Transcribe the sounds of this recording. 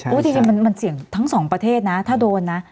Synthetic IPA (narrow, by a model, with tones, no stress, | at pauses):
ʔuː˦˥˩t̪ʰi˧t͡ɕma˧nma˧nsi˨˩˦əŋt̪ʰa˦˥ŋsɔː˩˦ŋpɾa˧eː˥˩t̪̚na˦˥t̪ʰaː˥˩doː˧nːa˦˥